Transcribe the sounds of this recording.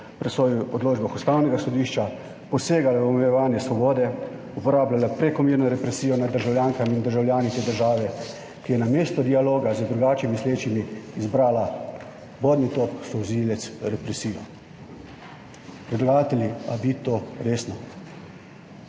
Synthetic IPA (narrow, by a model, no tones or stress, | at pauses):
pɾɛsʋɔːjuɔd̪loːd͡ʒbaxust̪aːwnɛɡasɔd̪iːʃt͡ʃa | pɔseːɡalaɔmɛjɛʋaːnjɛsʋɔbɔːd̪ɛ | upɔɾaːblʲalapɾɛkɔmeːɾnɔɾɛpɾɛsiːjɔnad̪ːəɾʒawljaːŋkamind̪əɾʒawlʲjaːnit̪eːd̪əɾʒaːʋɛ | kijɛnameːst̪ɔd̪ialoːɡazəd̪ɾuɡaːt͡ʃimisleːt͡ʃimiːzbɾaːla | boːd̪nit̪op̚ksɔwzilɛt̪sɾɛpɾɛsiːjɔ | pɾɛd̪lɔɡaːt̪ɛlʲiabit̪oɾeːsnɔ